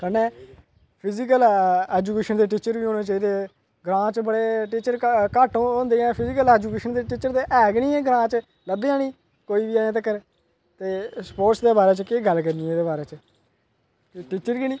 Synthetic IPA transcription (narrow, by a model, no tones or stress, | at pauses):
kʰənɛ̃ː | pʰɪziːkəlɛːd͡ʒuːkeːʃənd̪eːʈ̬iːt͡ʃəɾbiːɦoːnẽːt͡ʃaːiːd̪eː | ɡɾãːt͡ʃbəɽeːʈiːt͡ʃəɾkaːʈːɦõːnd̪eːɛ̃ːpʰɪziːkəlɛːd͡ʒuːkeːʃənd̪eːʈiːt͡ʃəɾt̪eːʔɛːɡniːɛ̃ːɡɾãːt͡ʃ | ləbeːãːniː | koːiːbiːaːãːt̪̬əkːəɾe | t̪eːspoːɾʈsd̪eːbaːɾeːt͡ʃkeːɡəlkəɾniːɛːd̪eːbaːɾeːt͡ʃə | ʈiːt͡ʃəɾkiːniː